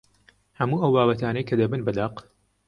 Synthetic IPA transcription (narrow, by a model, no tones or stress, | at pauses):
hɐmuːɐwbaːβɐt̪aːnɐjkʰɐd̪ɐbɨnbɐd̪aːq